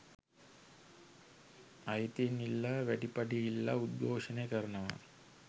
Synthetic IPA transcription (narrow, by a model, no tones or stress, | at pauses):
ɐjt̪inilːɐʋæʈipaʈiːlːɐ̰ud̪̚ɡoːʂəneːkəɾənəʋa̰